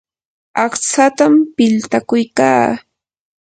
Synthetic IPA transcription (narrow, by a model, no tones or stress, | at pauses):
ɑχt͡sat̪ampɪlt̪akʊjkaː